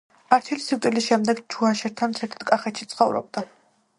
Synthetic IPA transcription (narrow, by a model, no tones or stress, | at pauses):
aɾt̪ʰilisiɾt̪ʼilisʃɛmd̪ɛɡt͡ʃʰuaʃɛɾt̪ʰant̪sʰɛɾt̪ʰt̪kʼaχɛt̪ʃit̪sʰχɔvɾɔ̰b̚d̪a